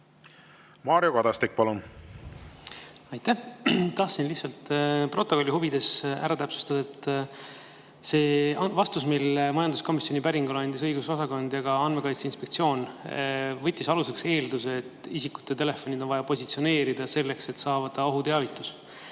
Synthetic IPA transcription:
mɑːɾiokɑd̪ɑst̪ik̚pɑlun | ɑjt̪æht̪ɑht̪sinlihtsɑlt̪pro̞t̪ːˑo̞ko̞lʲːihuvid̪̥e̞sæ̰ɾɑt̪æpsu̥st̪ɑd̪̥ɑet̪ːˑ | se̞ːvɑst̪usmilmɑjɑnd̪usko̞misjo̞nʲipæɾiŋɡulɑnʲd̪isɤjɡ̥uso̞sɑko̞nd̪jɑɡ̥ɑɑnme̞kɑjt̪seinspe̞kt̪sio̞ːn | vɤt̪ʲˑːisɑlusekse̞ːld̪useːt̪ːˑisikːu̥t̪ːˑet̪e̞le̞fo̞nʲid̪o̞nvɑjɑpo̞sʲit̪sio̞ne̞ːɾid̪̥ɑse̞lːe̞kse̞t̪sɑːvɑd̪̥ɑo̞ɦut̪eɑvit̪ːˑus

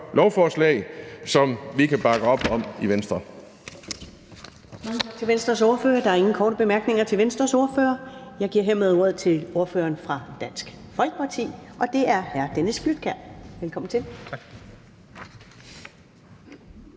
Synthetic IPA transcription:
lɒʊfɒslɛ̰ɪsɒ̽mʋikʰæb̥ɑ̈ɡ̥əɒ̽b̥ɒ̽miʋensd̥ʁɐ | mɑ̈ŋət͡sʰɑɡ̥t͡sʰe̝ʋensd̥ʁɐso̝ɐfø̰ːɐd̥ɑ̈æɐe̝ŋn̩kʰɒːɾəb̥e̝mæɐɡ̥ne̝ŋɐt͡sʰe̝ʋensd̥ʁɐso̝ɐfø̰ːɐjɑ̈ɪɡiɐe̝ɐ̰með̞ˠo̝ɐð̞̰ˠt͡sʰe̝lo̝ɐfø̰ːɐːnfʁɑ̈d̥æn̰sɡ̥fɒ̽lɡ̥ə̥pʰɑ̈t͡sʰḭːʔɒ̽d̥e̝æɐhæɐd̥enəsɡ̥lyd̥̚ɡ̥æɐ̰ʋelkʰɒ̽m̰n̩t͡sʰe̝l

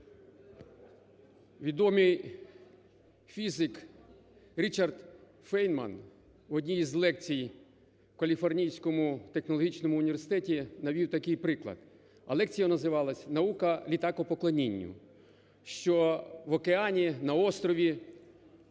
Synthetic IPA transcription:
ʋʲid̪ɔmɪj | fʲizɪk | ɾʲit͡ʃɐrd̪ | fɛjnmɐ̰n | ɔdʲnʲijizlˠɛk̚t͡sʲij | kɐlʲifɔrnʲijsʲkɔmʊt̪exnɔlˠɔɦʲit͡ʃnɔmʊːnʲiʋʲersɪ̥t̪ɛtʲinɐʋʲiwt̪ɐkɪjpɾɪklˠɐ̰d̪̥ | ɐ̰lˠɛkt͡sʲijɐnɐzɪʋɑlˠɐsʲnɐukɐlʲit̪ɑkɔpɔklˠɐnʲinʲːʊ̰ | ʃt͡ʃɔʋɔkeɑnʲinɐɔst̪ɾɔʋʲi

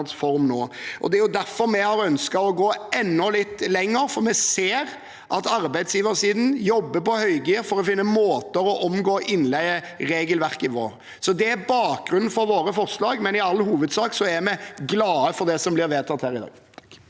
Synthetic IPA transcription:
nsfɔɾmnoːʔɔ̰d̪ɛæjʊd̪æɾfɔɾmɛhɑɾœnskɑɔɡoːɛnːɔlɪt̪ːlɛŋːəɾfɔɾmɛseːɾ | ʔɑt̪ɑɾbæɪd̪sjiːʋəɾsiːd̪n̩jɔbːəpɔhœʏɡiːɾfɔɾɔfɪnːəmoːt̪əɾɔʔɔmɡoːʔɪnlɛɪə | ɾeːɡəlʋæɾkɪʋo̰ːɾ | sɔd̪ɛæɾbɑːk̚ɡɾʉnn̩fɔɾʋoːɾəfɔɾslɑːɡmɛnɪɑlːhuːʋəd̪sɑːksɔæɾmɛɡlɑːəfɔɾd̪ɛsɔmblɪɾʋeːt̪ʰɑt̪hæːɾɪd̪ɑ̰ːɡ

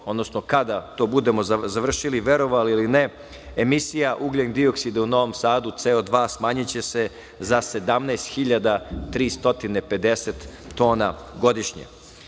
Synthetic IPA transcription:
od̪no̞snokad̪at̪o̞ːbud̪e̞mo̞zzaʋr̩ʃiliʋe̞ɾo̞ʋaliiline | emisijaʔuɡlend̪io̞ksid̪euno̞ʋo̞msaːd̪ut̪seod̪ʋaːsmaːɲit͡ɕe̞se̞ | zase̞d̪amnajst̪xiʎad̪at̪ɾiːst̪o̞t̪ine̞pe̞d̪e̞set̪ːo̞ːna̰ɡo̞d̪iʃɲḛ

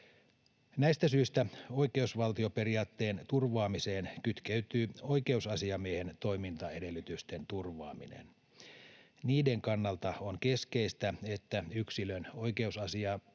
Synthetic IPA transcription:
næist̪æsyist̪æo̞ike̞usʋɑlt̪io̞pe̞riɑːt̪ːe̞ːnt̪urʋɑːmise̞ːnkyt̪keyt̪yːo̞ike̞usɑsiɑmiehent̪o̞imint̪ɑede̞lːyt̪yst̪e̞nt̪urʋɑ̰ːmḭnḛn | niːde̞ŋkɑnːɑlt̪ɑoŋke̞skeist̪æe̞t̪ːæyksiløno̞jke̞usɑsiɑ

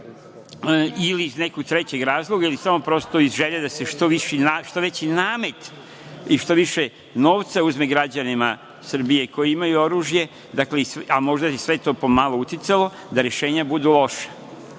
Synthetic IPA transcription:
iliːzne̞koɡt̪ɾe̞t͡ɕeɡɾaːzlˠoɡailisamo̞pɾo̞st̪o̞izʒeʎad̪ase̞ʃt̪o̞ʋiʃinaʃt̪o̞ʋe̞t͡ɕinaːme̞t̪ | iʃt̪o̞ʋiʃe | no̞ːʋt̪sauzmeɡɾad͡ʑanima | sr̩bije̞ko̞jiimajuo̞ɾuːʒje̞ | d̪akleisamo̞ʒd̪asesʋet̪o̞ːpo̞malˠout̪it̪salo̞ | d̪aɾe̞ʃe̞ːɲabud̪ulˠo̞ʃḁ

